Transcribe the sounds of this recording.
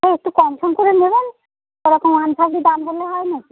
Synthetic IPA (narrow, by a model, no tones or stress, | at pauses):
ɦeek̚ʈukɔmʃʰomkoɾeneben | oɾɔkomanpʰaɡɽid̪amdoleɦɔeni